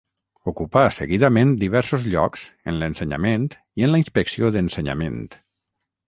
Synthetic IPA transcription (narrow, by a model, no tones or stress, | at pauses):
ukupasəɣiðamẽnd̪iβ̞ɛɾsozʎɔkz̥ənlənsəɲa̰mẽnt̪ | iənləinspəksioðənsəɲa̰mḛ̃nt̪